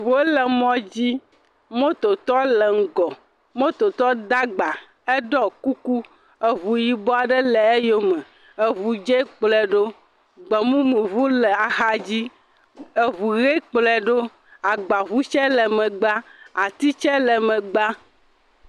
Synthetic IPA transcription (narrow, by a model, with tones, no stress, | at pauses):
vo˦lɛ˨mɔ̃˦d͡ʑi˦ | mõ˦t̪o˨t̪ɔ˦lɛ˨ŋ̩˨ɡɔ˨ | mõ˦t̪o˨t̪ɔ˦d̪a˦ɡ͡ba˨ | e˦ɖɔ˦ku˦ku˦ | e˨βu˨ji˨bɔ˦a˨ɖɛ˦lɛ˨e˦jo˦mɛ˨ | e˨vu˨d͡ʒɛ˦k͡plɛ˨ɖo˦ | ɡ͡bɛ˨mũ˦mũ˨vu˦lɛ˨a˨xa˦d͡ʑi˦ | e˨βu˨ɣe˦k͡plɛ˨ɖo˦ | a˨ɡ͡ba˨vu˦t͡ʃɛ˦lɛ˨mɛ̃˨ɡ͡ba˦a˨t̪i˦t͡ʃɛ˦lɛ˨mɛ̃˨ɡ͡ba˦